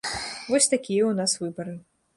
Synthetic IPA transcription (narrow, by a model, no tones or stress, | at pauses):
vɔsʲt̪akʲijɐwn̪asvɨbɐɾɨ